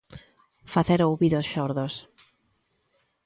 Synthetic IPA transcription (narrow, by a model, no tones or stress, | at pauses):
faθeɾowβiðosʃɔɾðos